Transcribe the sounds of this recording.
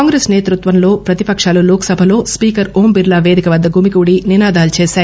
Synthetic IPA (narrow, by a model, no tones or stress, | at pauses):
aːŋɡɾeːsneːt̪ɾut̪ʋɐnlo̞ːpɾɐt̪ipɐkʂaːluloːksɐbʱɐlo̞ːspiːkɐɾoːmbiɾlaːʋeːd̪ikɐʋɐd̪ːɐɡʱuːmikuːɽininaːd̪aːlut͡ʃeːʃaːɾ